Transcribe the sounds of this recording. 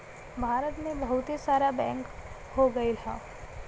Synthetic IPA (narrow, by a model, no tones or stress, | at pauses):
bʱaːɾət̪mẽbɐɦʊt̪isaːɾabɛ̃ːŋk | hoɡɐilʰã̰ː